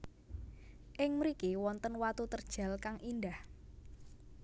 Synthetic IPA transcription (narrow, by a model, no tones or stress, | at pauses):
ʔɪŋməɾikiwɔnt̪ənwat̪ut̪ərd̥ʒ̥ä̤lkaŋʔindah